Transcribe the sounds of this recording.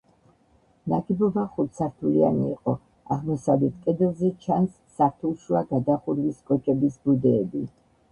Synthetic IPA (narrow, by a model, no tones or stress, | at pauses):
naɡibɔbaχut̪saɾt̪ʰulia̰nḭːqʼɔ | a̰ʁmɔsavlɛt̪ʰkʼɛd̪ɛlˠzɛt͡ʃʰansːaɾt̪ʰulˠʃuaɡad̪aχuɾviskʼɔt͡ʃʼɛbisbud̪ɛːbi